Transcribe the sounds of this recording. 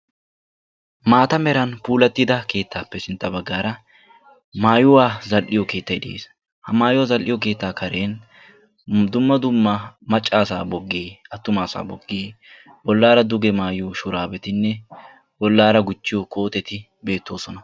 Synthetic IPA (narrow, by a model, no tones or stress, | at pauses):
maːt̪ɐmɛɾɐnpuːlɐt̪ːɪd̪ɐke̞ːt̪ʰːaːpːɛsɪnt̪ːɐbɐɡːaːɾɐ | maːjʊwaːzɐlʔɪjɔke̞ːt̪ːɐjd̪ɪḛːs | hɐmaːjʊwaːzɐlʔːɪjɔk̬e̞ːt̪ːaːkʰɐɾe̞ːn | d̪ʊmːɐd̪ʊmːɐmɐt͡ʃʼːaːsaːbɔɡːeːʔɐt̪ːʊmaːsa̰ːbɔɡːeː | bɔlːaːɾɐd̪ʊɡɛmaːjuːʃʊɾaːbɛt̪ɪnːɛ | bɔlːaːɾɐɡʊt͡ʃːɪjoko̞ːt̪ɛt̪ɪ | be̞ːt̪ːo̞ːsɔnɐ